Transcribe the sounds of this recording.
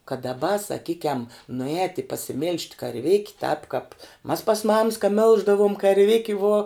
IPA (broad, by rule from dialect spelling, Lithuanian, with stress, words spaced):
kɐt dɐˈbɐ sɐˈkʲiːkʲɛm nʊˈɛːtʲɪ pɐsʲɪˈmʲiːlʲʃʲtʲ kɐrʲˈʋʲeːkʲɪ tɑːp kɑːp mɐs pɐs mɐms kɐ ˈmʲɪlˠʒdɐʋuɔm kɐrʲˈʋʲɪkʲɪ ʋuɔ